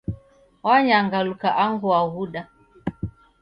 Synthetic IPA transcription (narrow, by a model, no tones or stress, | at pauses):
waɲaŋɡalukaʔaŋɡuaɣuɗa